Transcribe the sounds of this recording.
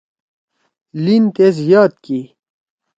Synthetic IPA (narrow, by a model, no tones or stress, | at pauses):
lint̪ezjaːt̪̚ki